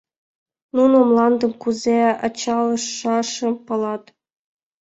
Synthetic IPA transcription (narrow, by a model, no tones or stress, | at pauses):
nunomlˠɑnd̪ɤ̆mkuzeɑ̰t͡ɕɑlɤ̆ʃːɑʃɤ̆mpɤ̆lˠɑt̪